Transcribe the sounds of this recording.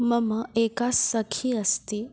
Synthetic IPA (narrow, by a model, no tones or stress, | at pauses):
məməekasəkʰiəst̪i